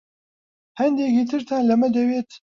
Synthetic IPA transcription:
hɛnd̪ekit̪ʰɨɾt̪ʰaːnlɐmɛd̪ɛweːt̪

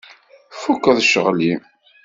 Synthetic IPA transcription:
fukːəðˤʃə̰ʁli

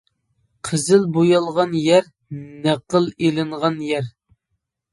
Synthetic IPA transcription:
qʰəzɪlbojɑlˠʁɑnjɛɾ | næqəlˠelɨɴʁɑnjɛɾ

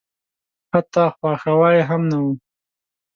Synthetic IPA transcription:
hat̪ɑxwɑxawɑjɦamnawu

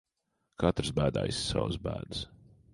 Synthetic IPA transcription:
kʰat̪ɾsbæːd̪a̰jssa̰wsbæ̰ːd̪ɨs

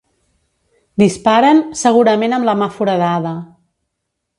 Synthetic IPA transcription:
d̪ispaɾənsəɣ̞uɾəmenəmləmafuɾəðaðə

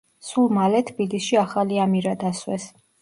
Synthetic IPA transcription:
sulˠmalɛt̪ʰbilisʃiaχaliamiɾad̪aswɛs

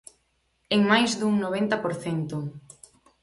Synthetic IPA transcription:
eŋmajzðuŋnoβ̞ent̪ɐpoɾθɛnt̪ʊ

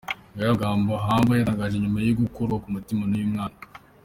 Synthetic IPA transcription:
ŋɡajaɡaːmboɦaːmbajaɾaɡaʒe̞ɲumajiɡukoɾɡokumutimanujumŋaːna

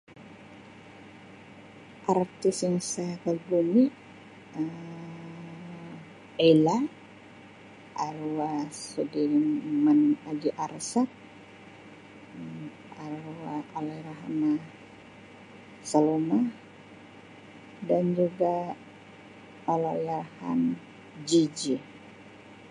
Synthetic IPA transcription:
ʔart̪isaŋsakalbumi | ə | ela | ʔaɾwasudiɾimmanad͡ʒiʔaɾsat̪̚ | aɾwaalaiɾaɦana | saloma | dand͡ʒuɡa | olajɾaha̰n | d͡ʒid͡ʒi

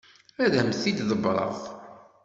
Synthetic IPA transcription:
æðæmθid̪ðəbɾˤə̰ðˤ

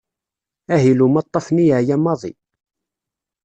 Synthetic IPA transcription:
æɦilumɑt̪ˤːɑfnijəʕjæmːɑðˤḭ

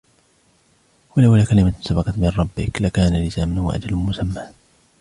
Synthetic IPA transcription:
walawlaːkalɪmasabɑqɑt̪mɪnɾˤɑbːɪklakaːnalɪsaːmʊnhʊwa̰ʔa̰d͡ʒalmʊsamːaː

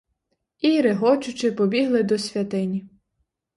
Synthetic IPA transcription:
ijɾɪɦɔt͡ʃʊt͡ʃɪpɔbʲiɦlˠɪd̪ɔsʲʋʲjɐt̪ɪnʲi

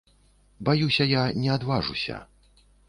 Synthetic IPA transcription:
bajusʲɐjanʲɛad̪vaʐṵsʲɐ̰

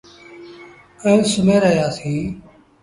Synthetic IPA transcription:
ə̃ːsʊmẽːɾəɦjaːsiː

